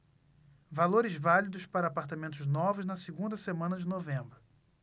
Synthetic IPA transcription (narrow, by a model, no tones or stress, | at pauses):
valoɾɪzvalid̪ʊʃpaɾɐaːpaɾt̪amẽnt̪ʊznɔvʊznɐsiɡũnd̪ɐsemɐ̃nɐd͡ʒɪnovẽmbɾʊ